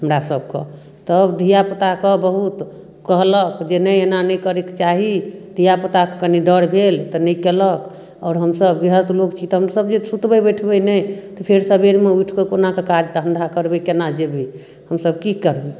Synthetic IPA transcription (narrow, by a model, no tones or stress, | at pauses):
ɦəmɾasəbkə̰ | t̪əbd̪ʱijapət̪akəbəɦut̪ | kəɦləkd͡ʒenəjenanəjkəɾekt͡ʃaɦid̪ʱijapət̪akekəniɖəɽbʱelt̪ɔnəjkelək | ɔːɾɦəmsəbɡiɾət̪lokt͡ʃʰit̪ɔɦəmɾasəbd͡ʒet͡ʃʰut̪bəbəjʈʰbəjnəjt̪ɔpʰeɾsəbeɾmeujʈʰkekonakekad͡ʒt̪ɦə̃nd̪ʱakəɾbɛkenad͡ʒebʱi | həmsəb̚kikəɾbi